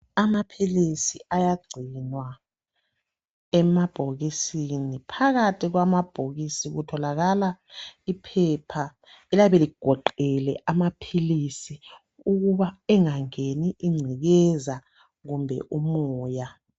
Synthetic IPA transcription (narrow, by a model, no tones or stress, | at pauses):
amapʰilisiʔajaɡ͡ǀʱinwa | ɛmab̥ʱoɣisinipʰaɣatʰʼiɣwamab̥ʱoɣisiɣutʰɔlaɣalaipʰɛpʰa | ɛlaβɛliɡ̥ʱɔǃɛlɛʔamapʰilisi | uɣuβaɛŋaŋeniʔiŋ͡ǀʱiɣɛza | ɣumbʱɛ̰ʔumɔːja